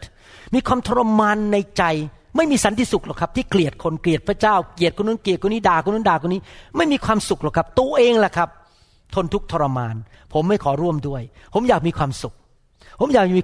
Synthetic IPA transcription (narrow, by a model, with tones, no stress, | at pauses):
miː˧kʰwaː˧mt̪ʰɔː˧ɾa˧maː˧nːa˧jt͡ɕa˧j | ma˥˩jmiː˧sa˨˦nt̪ʰiː˧˩su˨˩k̚laː˨˩kʰa˦˥t̪ʰiː˥˩kli˨˩ət̪̚kʰo˧nkli˨˩ət̪̚pʰɾa˧˥t͡ɕaː˥˩wkli˨˩ət̪̚kʰnːu˦˥nkli˨˩t̪̚kʰoː˧niː˦˥˩daː˨˩kʰo˧nː˧u˦˥ndaː˨˩kʰːniː˦˥ma˥˩jmiː˧kʰwaː˧msu˨˩k̚lɔː˨˩wkʰa˦˥p̚t̪u˧əʔeː˧ŋla˨˧˩kʰa˦˥p̚ | t̪ʰo˧nt̪ʰu˦˥k̚t̪ʰɔː˧ɾa˧maː˧n | pʰo˩˦mːa˥˩jkʰɔː˩˦ɾu˥˩əmdu˥˩əjpʰo˩˦mjaː˨˩k̚miː˧kʰwaː˧msu˨˩k̚ | pʰo˩˦mjaː˨˩k̚miː˧